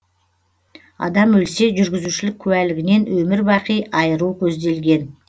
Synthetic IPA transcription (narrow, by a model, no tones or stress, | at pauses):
ɑ̰d̪ɑmwɵlse̞ʒʏɾɡʲɪzuʃɪlɪkʲʰʉælɪɡʲɪne̞nwɵmɪɾbɑqijɑjəɾukʲʰɵzd̪e̞lɡʲe̞n